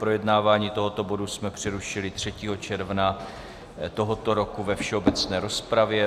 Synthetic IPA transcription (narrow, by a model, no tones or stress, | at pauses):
pɾojɛdnaːvaːɲiːt̪o̞ɦo̞t̪o̞bo̞dusmɛpr̥ɛɾuʃɪlɪt̪r̝̥ɛciːɦo̞t͡ʃɛɾvna | t̪o̞ɦot̪o̞ɾo̞kuvɛfʃɛobɛt͡snɛːɾo̞spɾavjɛ